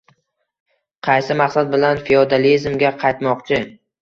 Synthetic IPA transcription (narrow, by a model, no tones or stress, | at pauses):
qʰɑjsɪmaqsad̪̚bɪlanfiod̪alizmɡʲaqʰɑjt̪mɒqt͡ʃʰɪ